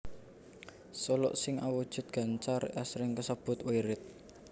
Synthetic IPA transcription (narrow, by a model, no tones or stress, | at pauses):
solɔ̰ʔsɪŋawud̥ʒ̥ʊ̤t̪̚ɡ̥a̤nt͡ʃarɛsɾɪŋkəsəb̥ʊ̤t̪wiɾɪt̪̚